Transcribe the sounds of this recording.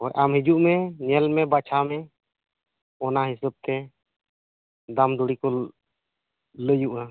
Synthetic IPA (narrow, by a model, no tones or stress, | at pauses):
ɔjʔamɦid͡ʒuʔmɛɲɛlmɛbat͡ʃʰamɛ | ɔnaɦisəb̚t̪ɛ | d̪amd̪ɔɽikɔ | ləjuʔa